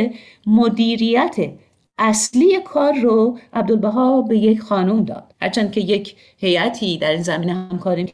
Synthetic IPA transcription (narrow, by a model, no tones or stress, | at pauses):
mod̪iːɾijæt̪ʰe | æsliːjekʰɒːɾːoʔæb̚d̪olbæɦɒːbe̞je̞cxɒːnumd̪ɒ̰ːd̪̥hæ̰ɾt͡ʃʰænd̪̥̚cʰe̞je̞cʰ | he̞jæt̪ʰiːd̪æɾiːnzæmiːneɦæmkʰɒːɾi